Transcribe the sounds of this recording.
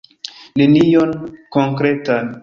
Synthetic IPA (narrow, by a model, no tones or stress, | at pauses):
nenijonkoŋkɾetan